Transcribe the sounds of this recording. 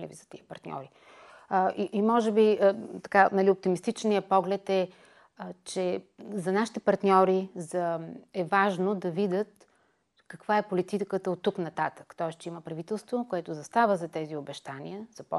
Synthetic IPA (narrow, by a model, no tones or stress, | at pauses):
lḭvizɐ̥t̪iəpɐɾt̪nʲɔ̰ɾi | ʔiʔimɔʒɛbit̪ɐ̥kanɐliop̚t̪imist̪it͡ʃnijəpɔɡlɛt̪ɛ | t͡ʃɛzɐnaʃi̥t̪ɛpɐɾt̪nʲɔɾizəɛvaʒnod̪ɐvid̪ət̪ | kɐkvaɛpolit̪ikət̪əot̪ːuknɐt̪at̪ə̥kt̪ɔɛst͡ʃɛiməpɾɐvit̪ɛlˠst̪vokoɛt̪ʊzɐst̪avəzɐt̪ɛziobɛʃt̪anḭəz̥ɐpɔ